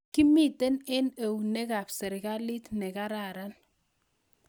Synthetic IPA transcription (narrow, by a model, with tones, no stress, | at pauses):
ki˦mi˦˨te˦nɛ˦ne˨wne˦ka˨psɛ˨ɾka˦li˦tnɛ˨ka˦ɾa˨ɾa˦n